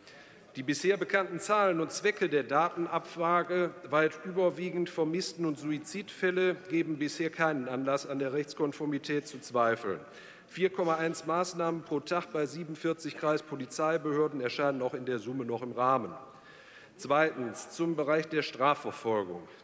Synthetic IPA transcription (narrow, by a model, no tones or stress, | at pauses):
d̥iːbɪsheːɐbəkʰantn̩t͡saːlənʊntt͡sv̥ɛkədeːɐdaːtn̩apfʁ̥aːɡəvaɪtʔyːbɐviːɡŋ̩tfɛɐmɪstn̩ʊntz̥uit͡siːtfɛləɡ̥eːbm̩bɪsheːɐkʰaɪnənanlasandeːɐʁɛçt͡skɔnfɔɐmitʰɛːt̚t͡sut͡sv̥aɪfl̩n | fiːɐkʰɔmaʔaɪnsmaːsnaːmənpʁ̥oːtʰaχtb̥aɪziːbn̩fɪɐt͡sɪçkʁ̥aɪspʰolit͡saɪbəhøːɐdn̩ɛɐʃaɪnənaʊxɪndeːɐzʊmənɔχɪmʁaːmən | t͡sv̥aɪtn̩st͡sʊmbəʁaɪçd̥eːɐʃtʁ̥aːfɛɐfɔlɡʊ̰ŋ